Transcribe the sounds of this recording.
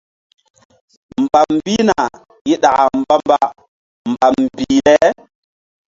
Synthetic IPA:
m˨ba˨mbi˦na˨ | ji˦ɗa˨ʔa˨m˦ba˦m˦ba˦ | m˨ba˨mbi˨lɛ˦

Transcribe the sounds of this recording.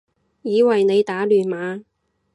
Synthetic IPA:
jiː˨˧wɐ˨jne˨˧jt̪aː˨˥lyː˨˩nmaː˨˧

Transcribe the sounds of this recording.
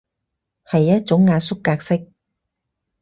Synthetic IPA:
hɐ˨jːɐ˥t̚t͡ʃʊ˨˥ŋːaː˧nsʊ˥kːaː˧k̚sɪ˥k̚

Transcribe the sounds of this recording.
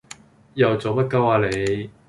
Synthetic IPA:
jɐ˨wt͡so˨wpɐ˥t̚kɐ˥waː˧le˨˧j

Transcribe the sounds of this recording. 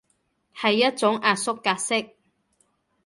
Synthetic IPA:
hɐ˨jːɐ˥t̚t͡sʊ˨˥ŋaː˨tsʊ˥kːaː˧t̚sɪ˥k̚

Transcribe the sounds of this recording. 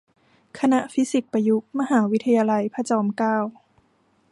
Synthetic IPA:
kʰa˧na˦˥ʔfi˦˥si˨˩k̚pa˧ju˦˥k̚ma˧ɦaː˩˦wi˦˥t̪ʰːa˧jaː˧la˧jpʰa˧t͡ɕɔː˧˦mkaː˥˩w

